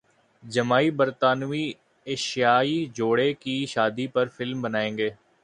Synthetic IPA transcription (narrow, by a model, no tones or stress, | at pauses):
d͡ʒəmaːibəɾt̪aːnʋiː | eːʃjaːid͡ʒoːɽekiʃaːd̪ipɐɾfɪlmbənaːẽːŋɡeː